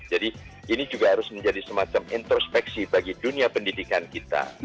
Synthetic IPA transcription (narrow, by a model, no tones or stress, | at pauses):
d͡ʒadi | ʔinid͡ʒuɡaɦaɾʊsməɲd͡ʒadisəmat͡ʃamint̪ɾospɛksibaɡiduniapəndidikankit̪a̰